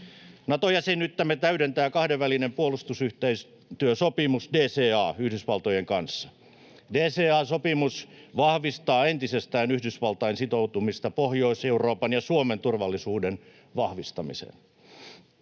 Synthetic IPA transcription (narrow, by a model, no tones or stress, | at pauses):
nɑt̪ojæsenːyt̪ːæmet̪æyɾent̪æːkɑhdeʋʋælinempuolust̪usyht̪eis | t̪yøsopimusdeːseːɑːyhdysʋɑlt̪ojeŋkɑnsːɑ̥ | deːseːɑːsopimusʋɑhʋist̪ɑːent̪isest̪æːnyhdysʋɑlt̪ɑinsit̪out̪umist̪ɑpohjoiseuro̞ːpɑnjɑsuoment̪urʋɑlːisuːden | ʋɑhʋist̪ɑmḭsḛn